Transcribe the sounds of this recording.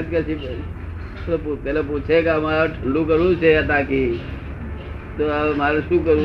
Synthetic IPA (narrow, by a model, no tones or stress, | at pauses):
t̪̚kəsʰi | opupɛːlep̬ut͡ʃʰekəmaɾʈʰəɳɖukəɾut͡ʃʰeət̪aki | t̪omaɾsukəɾu